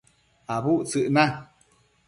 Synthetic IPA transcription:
abuʔt͡sɨʔnã

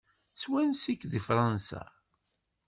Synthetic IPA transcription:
swænsikːðifɾˤɑnsa̰

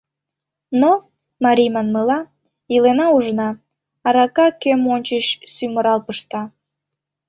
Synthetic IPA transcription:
no | mɑɾʲijmɑnməlɑ | ilenɑuʒnɑ | ɑɾɑkɑkømonʲt͡ɕəɕsyməɾɑlpəʃt̪ɑ

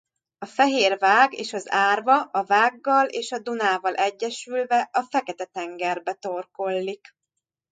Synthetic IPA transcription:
ɒfɛɦeːrvaːɡḛːʃɒzaːrvɒʔɒvaːɡːɒleːʃɒd̪unaːvɒlʔɛɟːɛʃylvɛʔɒfɛkɛt̪ɛt̪ɛŋɡɛrbɛt̪o̞rko̞lːik

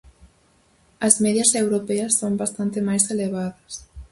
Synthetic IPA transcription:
ɐzmeðjɐsewɾopeɐsːombast̪ant̪emajseleβaðɐs

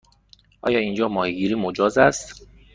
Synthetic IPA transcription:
ʔɒ̰ːjɒːind͡ʒɒːmɒːheɡiːɾiːmod͡ʒɒːzæst̪

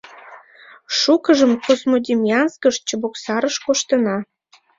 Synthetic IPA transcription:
ʃukə̆ʒə̆mkosmodʲimʲjɑnskə̆ʃt͡ɕə̆boksɑɾə̆ʃkoʃt̪ə̆nɑ

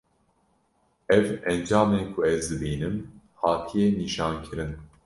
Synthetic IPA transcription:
ɛvɛnd͡ʒɑːmeːkʰʊɛzd̪ɨbiːnɨm | hɑːt̪ʰijeniːʃɑːnkʰɨɾɨn

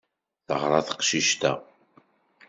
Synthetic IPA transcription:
θəʁɾˤɑθə̥qʃiʃt̪æ̰

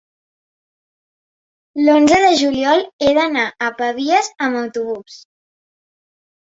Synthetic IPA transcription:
lonzəðəʒuliɔlˠeðənaʔəpəβiəzəməwt̪uβ̞us

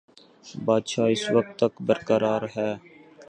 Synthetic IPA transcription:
baːd̪ʃaːɪsʋək̚t̪ːəkbəɾkəɾaːɾɦɛː

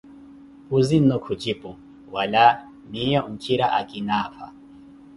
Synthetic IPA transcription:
pʼuzin̩ːɔkʰud͡ʒipʼu | wala | nijɔŋ̩t͡ʃʼiɾaʔakʼinaːpʰa̰

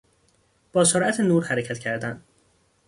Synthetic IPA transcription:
b̥ɒːsoɾæt̪ʰenuːɾhæɾecʰæt̪cʰæɾd̪æn

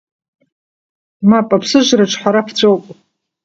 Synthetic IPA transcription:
mapʼapʰsɨʒʷraʈ͡ʂʼʰħʷaɾapʰt͡sʷʼowpʼ

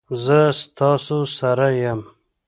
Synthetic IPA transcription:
zəst̪ɑsosaɾajam

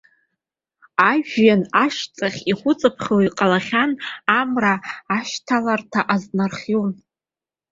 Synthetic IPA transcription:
aʒanaʃt͡sʼaχʲiχʷʊt͡sʼɨpʰχʲowiqʼalaχʲanamraːʃtʰalartʰaʔaznarχʲown

